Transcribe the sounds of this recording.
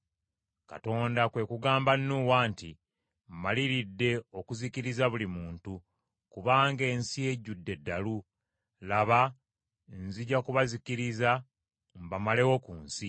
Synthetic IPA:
ka̰to̞ːndakwe̞kuɡaːmbannuwaːnti | m̩maliɾidːe̞o̞kuzikiɾizaβulimuːntu | kuβaːŋɡe̞ːnsije̞ɟudːe̞dːalu | laβa | nziɟakuβazikiɾiza | mbamale̞wo̞kuːnsi

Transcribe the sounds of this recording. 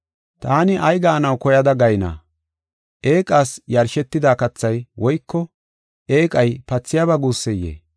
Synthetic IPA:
t̪aːnɪʔɐjɡaːnɐwkɔjɐd̪ɐɡɐjna̰ː | ʔeːkʼaːsjɐɾʃɛt̪ːɪd̪aːkɐt͡sːɐjwɔjkːɔ | ʔe̞ːkʼɐjpɐt͡sːɪjabɐɡuːsːɛjːḛː

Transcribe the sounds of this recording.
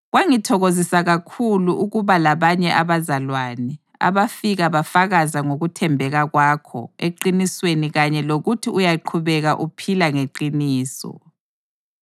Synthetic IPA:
ɣwaŋitʰɔɣozisaɣakʰuluʔuɣuβalaβaɲɛʔaβazalwanɛ | a̰βafiɣaβafaɣazaŋoɣutʰɛmbʱɛɣaɣwakʰɔ̰eǃinisweniɣaɲɛloɣutʰiujaǃʰuβɛɣaʔupʰilaŋeǃiniːsɔ̰

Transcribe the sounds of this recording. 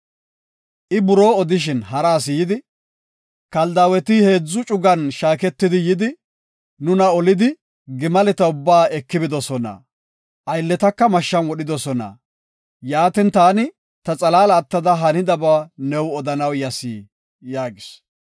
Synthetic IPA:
ʔɪbʊɾoːɔd̪ɪʃ̬ɪnhɐɾaːsɪjɪd̪ɪ | kɐld̪aːwɛt̪ɪhe̞ːd͡zːʊt͡ʃʼʊɡɐnʃaːkɛt̪ːɪd̪ɪjɪd̪ɪ | nʊnɐɔlɪd̪ɪ | ɡɪmɐlɛt̪ɐʊbːaːɛkːɪbɪd̪ɔsɔnɐ̰ | ʔɐjlːɛt̪ɐkːɐmɐʃːɐnwɔɗɪd̪ɔsɔnɐ̰ | jaːt̪ɪnt̪aːnɪ | t̪ɐt͡sʼɐlaːlɐːt̪ːɐd̪ɐɦɐnɪd̪ɐbaːnɛwɔd̪ɐnɐwjɐsiː | jaːɡɪs

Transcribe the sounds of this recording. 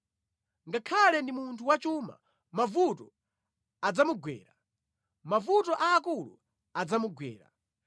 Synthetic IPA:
ŋɡakʰalɛndimuntʰuwat͡ʃuːma̰ | mavutɔ | ad͡zamuɡwɛ̰ːɾa | mavutɔʔaːkulṵ | ad͡zamuɡwɛ̰ːɾa̰

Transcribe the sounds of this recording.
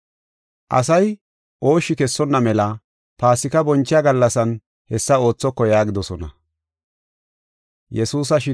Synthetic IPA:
ʔɐ̰s̬ɐj | ʔo̞ːʃːɪkɛsːɔnːɐmɛlɐ | paːsɪkɐbɔnt͡ʃːɪjaɡɐlːɐsɐn | hɛsːɐo̞ːt͡sːɔkːɔjaːɡɪd̪ɔsɔnɐ̰ | jɛsuːs̬ɐʃɪ

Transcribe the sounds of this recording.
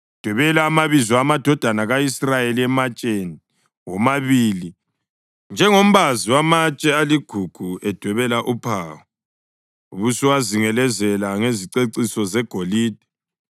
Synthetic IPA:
d̥ʱwɛβɛlaːmaβizɔamad̥ʱɔd̥ʱanaɣaisrajeliɛmat͡ʃʼeni | wɔmaβiːli | nd͡ʒʱɛŋom̩βaziwamat͡ʃʼɛaliɡ̥ʱuɡ̥ʱuɛd̥ʱwɛβɛlaʔupʰawɔ | uβusiwaziŋɛlɛzɛlaŋeziǀeǀisɔzɛɡ̥ʱoliːd̥ʱɛ̥

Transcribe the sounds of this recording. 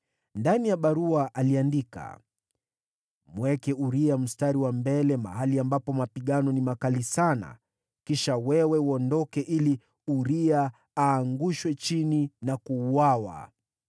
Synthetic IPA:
ndanijaɓaɾuaʔaliandika̰ | mwɛkɛuɾiam̩staɾiwambɛlɛma̰haliambapɔmapiɠanɔnimakalisana̰ | kiʃawɛwɛwɔndɔkɛʔili | uɾia | aːŋɡuʃwɛt͡ʃininakuːwawa̰

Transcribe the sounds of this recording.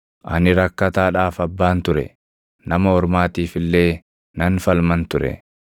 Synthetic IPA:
ʔɐ̰nɪɾɐkːɐt̪aːᶑaːfɐbːaːnt̪ʊɾɛ̰ | nɐmɐhɔɾmaːt̪iːfɪlːe̞ː | nɐnfɐlmɐnt̪ʊɾɛ̰

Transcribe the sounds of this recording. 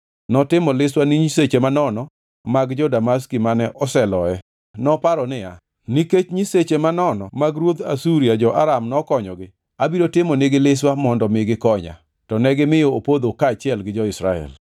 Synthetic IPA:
nɔtɪmɔlɪswaniɲiset͡ʃemanɔnɔ | maɡd͡ʒɔdamas̬kimanɛʔɔsɛlɔɛ | nɔpaɾɔnɪa̰ | niket͡ʃɲiset͡ʃemanɔnɔmaɡɾwod̪a̰suɾiad͡ʒɔʔa̰ɾamnɔkɔɲɔɡɪ | abiɾotɪmɔnɪɡɪlɪswamɔndɔmɪɡɪkɔɲa̰ | tɔnɛɡɪmɪjoopod̪okaːt͡ʃɪɛlɡɪd͡ʒɔɪsɾaɛ̰l

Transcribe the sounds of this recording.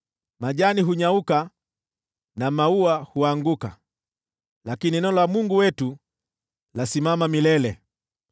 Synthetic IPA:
maʄaniɦuɲauka | namauahuaŋɡuka̰ | lakininɔlwamuŋɡuwɛtu | lasimamamilɛlɛ

